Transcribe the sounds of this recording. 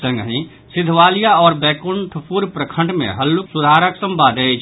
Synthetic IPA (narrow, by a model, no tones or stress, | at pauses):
sə̃ŋɡɦĩ | sɪd̪ʱʋaːlijaɔːɾbɛːkʊɳʈʰəpuɾpɾəkʰə̃ɳɖmḛ̃ɦəlːuksʊd̪ʱaːɾəksəmbaːd̪et͡ʃʰ